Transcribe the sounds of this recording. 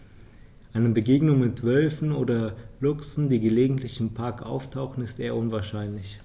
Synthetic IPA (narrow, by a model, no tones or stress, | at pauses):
ʔaɪnəbəɡeːɡnʊŋmɪtv̥œlfn̩oːdɐlʊksn̩diːɡəleːɡŋ̩tʰlɪçɪmpʰaɐkʔa̰ʊftʰaʊxn̩ɪstʔeːɐʔʊnvaːɐʃaɪnlɪç